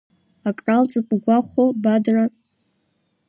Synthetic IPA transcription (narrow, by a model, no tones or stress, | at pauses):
akʼralt͡sʼɨpʷʼɡʷaχʷobadra